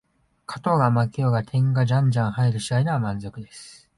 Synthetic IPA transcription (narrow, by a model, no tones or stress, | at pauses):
kʰḁt̪o̞ɡamakʲioɡat̪ʰẽ̞ŋɡaʑãɲd͡ʑãɰ̃haeɾɯ̟ɕiainɯβamãnzo̞kɯ̟d̪e̞sɨ̥